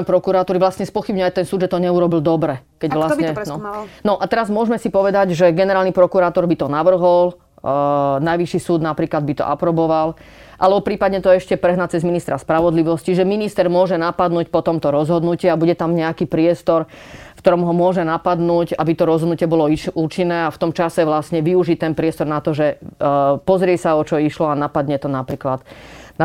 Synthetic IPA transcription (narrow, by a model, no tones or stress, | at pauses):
pɾɔkuɾaːt̪uːɾiʋlastɲɛspɔxibɲʊajt̪ɛnsuːd̪ʒɛt̪ɔɲɛuɾɔbild̪ɔbɾɛkɛɟʋlasɲɛnɔnɔʔat̪ɛɾazmʊɔʒmɛsipɔʋɛd̪aɟʒɛɡɛnɛɾaːlnipɾɔkuɾaːt̪ɔɾbit̪ɔnaʋr̩ɦɔl | najʋiʃisuːd̪napɾiːklad̪bit̪ɔ̰ʔa̰pɾɔbɔʋal | ʔalɛbɔpɾiːpad̪ɲɛt̪ɔɛʃcɛpɾɛɦnat͡sɛzminist̪ɾaspɾaʋɔd̪liʋɔsciʒɛminist̪ɛɾmʊɔʒɛnapad̪nuːcpɔt̪ɔmt̪ɔɾɔzɦɔd̪nuciabuɟɛt̪amɲɛakipɾɪɛst̪ɔɾfkt̪ɔɾɔmɦɔmʊɔʒɛnapad̪nuːɟabit̪ɔɾɔzɦɔd̪nucɪɛbɔlɔiuːt͡ʃinːɛːaft̪ɔmt͡ʃasɛʋlasɲɛʋiuʒit̪ɛnpɾɪɛst̪ɔɾnat̪ɔʒɛ | pɔzɾɪɛsaɔt͡ʃɔiʃlɔanapad̪ɲɛt̪ɔnapɾiːklad̪